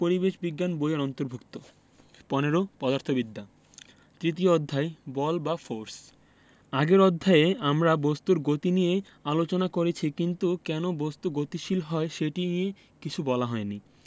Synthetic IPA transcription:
poɾibeʃbiɡːanbojoɾɔnt̪oɾbʱukt̪o | pɔneɾopɔd̪aɾt̪ʰobid̪ʱːa | t̪ɾit̪̬ijood̪ʱːaebɔlbafoɾs | aɡeɾɔd̪ʱːaeeamɾabost̪uɾɡot̪inije | alot͡ɕonakoɾet͡ɕʰikint̪ukɛnobost̪uɡot̪iʃilɦɔeʃeʈinije | kit͡ɕʰubɔlaɦɔeni

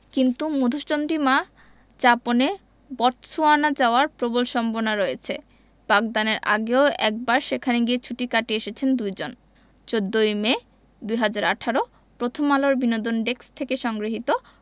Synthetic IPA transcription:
kint̪umod̪ʱuʃtond̪ɾima | d͡ʑapone | bɔɾt͡ɕʰoanad͡ʑaoaɾpɾobolʃɔmbonaɾoet͡ɕʰe | b̥ak̚d̪aneɾʔa̰ɡeoɛk̚baɾʃekʰaniɡiet͡ɕʰuʈikaʈieʃet͡ɕʰend̪ujd͡ʑon | t͡ɕod̪ːojme | d̪ujɦad͡ʑaɾa̰ʈʰaɾo | pɾot̪ʰomaloɾbinod̪onɖekst̪ʰekeʃɔŋɡɾiɦit̪o

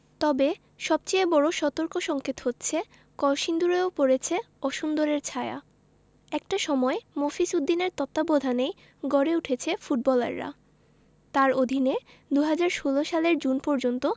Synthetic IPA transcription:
t̪ɔbe | ʃɔb̚t͡ɕeebɔɽoʃɔt̪oɾkoʃɔŋkʰet̪hot̪ːɕʰe | kɔlʃind̪uɾoopoɾet͡ɕʰe | ɔʃund̪oɾeɾt͡ɕʰaea̰ | ɛk̚ʈaʃɔmɔemofisud̪ːineɾt̪ɔt̪ːabod̪ʱanej | ɡɔɾeuʈʰet͡ɕʰefuʈ̚bɔla̰ɾːa̰ | t̪aɾod̪ʱine | d̪uɦad͡ʑaɾʃoloʃaleɾd͡ʑunpɔɾd͡ʑont̪o

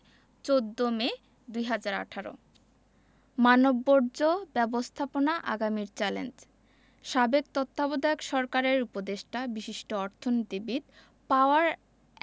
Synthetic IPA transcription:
t͡ɕod̪ːome | d̪ujɦad͡ʑaɾa̰ʈʰaɾo̰ | manobːoɾd͡ʑobɛbost̪ʰaponaʔa̰ɡamiɾt͡ɕɛlḛnd͡ʑ | ʃabek̚t̪ot̪ːabod̪aokʃɔɾkaɾeɾupod̪eʃʈabiʃiʃʈoɔɾt̪ʰonot̪ibit̪ | paoaɾ

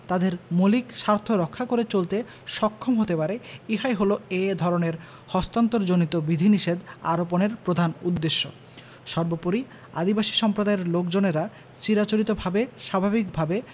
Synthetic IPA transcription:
t̪ad̪eɾmulikʃaɾt̪ʰoɾɔkʰːakoɾet͡ɕolt̪e | ʃɔkʰːomɦot̪epaɾeiɦajɦoloed̪ʱɔɾoneɾ | hɔst̪ant̪oɾd͡ʑonit̪obid̪ʱiniʃed̪a̰ɾoponeɾpɾod̪ʱanud̪ːeʃːo̰ | ʃɔɾbopoɾi | a̰d̪ibaʃi̥ʃɔmpɾod̪aeɾlokd͡ʑoneɾa | t͡ɕiɾat͡ɕoɾit̪obʱabeʃabʱabikbʱabe

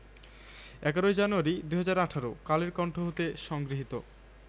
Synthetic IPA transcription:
ɛkaɾoed͡ʑanuaɾid̪uɦad͡ʑaɾaʈʰaɾo̰kaleɾkɔɳʈʰoɦot̪eʃɔŋɡɾiɦit̪o̰

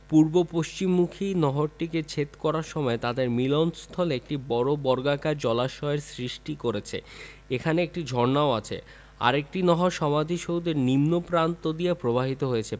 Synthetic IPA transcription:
puɾbopoʃt͡ɕimːukʰinɔɦoɾʈiket͡ɕʰet̪kɔɾaɾʃɔmɔet̪ad̪eɾmilonst̪ʰɔleek̚ʈibɔɾobɔɾɡakaɾd͡ʑɔlaʃɔeɾsɾiʃʈikoɾet͡ɕʰḛ | ekʰaneek̚ʈid͡ʑʱɔɾnaoat͡ɕʰḛ | a̰ɾek̚ʈinɔɦoʃɔmad̪ʱiʃowd̪eɾnimnopɾant̪od̪ijepɾobʱaɦit̪oɦojet͡ɕʰe

